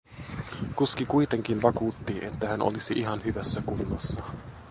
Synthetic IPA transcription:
kuskikujt̪e̞ŋk̟inʋɑkuːt̪ːiʔe̞̰t̪ːæhænʔo̰lisiʔiɦɑnhyʋæsːækunːɑsːɑ

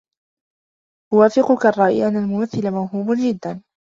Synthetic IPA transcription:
wʊwaːfɪqʊkarˤːɑːʔiʔanːalmʊmaθːɪlamawɦuːbnd͡ʒɪd̪ːan

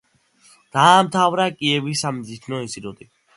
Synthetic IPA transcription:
d̪̥aːmt̪ʰavɾakʼiɛvisamzit̪ʰnɔisiɾɔt̪ʼi

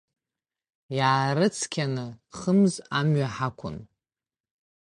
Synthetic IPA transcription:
jaːɾɨt͡sʰkʲʰanɨχəmzamɥaħakʷʰʊ̰n

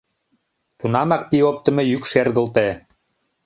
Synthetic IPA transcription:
t̪unɑmɑk̚piop̚t̪ə̆mĕjykʃerd̪ə̆lt̪e

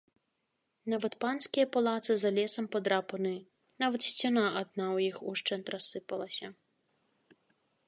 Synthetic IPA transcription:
navɐt̪panskʲijɐpalˠat̪sɨzalʲɛsɐmpɐd̪ɾapɐnɨ | navɐt̪sʲt͡sʲanaʔad̪̚nawjixuʂt͡ʂɛnt̪ɾasːɨpɐlˠɐsʲɐ

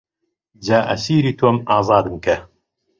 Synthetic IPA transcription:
d͡ʒaːʔɐ̰siːɾiːt̪ʰwɐmɑːzˤɑːd̪ɨmkɐ

